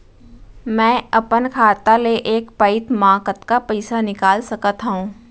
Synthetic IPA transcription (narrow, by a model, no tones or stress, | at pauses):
mɛ̃ːɐpənkʰaːt̪aleʔeːkpəɪt̪mãːkət̪kapɛɪsanɪkaːlsɐkət̪ɦũː